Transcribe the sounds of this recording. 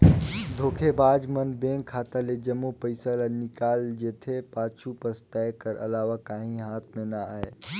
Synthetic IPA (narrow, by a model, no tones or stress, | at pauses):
d̪ʱoːkʰebaːd͡ʒmənbẽːŋkʰːaːt̪aled͡ʒɐmːupəɪsalanɪkaːld͡ʒeːt̪ʰepaːt͡ʃʰupɐɾst̪ɛːkəɾɐ̰laːʋakaːɦĩɦaːt̪ʰmẽnaa̰ːeː